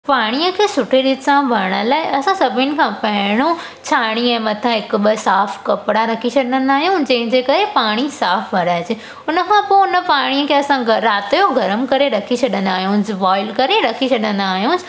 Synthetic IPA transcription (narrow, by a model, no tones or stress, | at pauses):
paːɽ̃ijəkʰeːsʊʈʰeɗit̪sãbʱɐɾɽ̃əlaːɪʔɐsãsɐbʱɪnɪ̆kʰãːpɐɦɪɽ̃o | t͡ɕʰaːɽ̃iɛ̃ːmɐt̪ʰãɦɪkʊ̆ɓəsaːfkɐpɪɽaɾɐkʰit͡ɕʰɐɗə̃nd̪aːɦijũd͡ʑɐ̃ɦɪ̃ɲd͡ʑekɐɾepaːɽ̃isaːfʋɐɾaːɦd͡ʑɪ | ʊnəkʰãːpoʊnə̆paːɽ̃iəkʰeːɐsãɾaːt̪joɡʱɐɾəmkɐɾeɾɐkʰit͡ɕʰɐɗə̃nd̪aːɦijũsɪʋɔːɪlkɐɾeɾɐkʰit͡ɕʰɐɗə̃nd̪aːɦijũsɪ̥